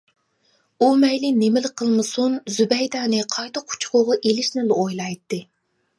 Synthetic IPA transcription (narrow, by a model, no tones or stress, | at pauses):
umɛjlɪnemɪlɪqʰəlˠmɨsunzybɛjd̪ɑːnɨqʰɑjt̪əqʰu̥t͡ʃʰqʰʊʁɑʔelɪʃnɪlojlˠɑjt̪ːɨ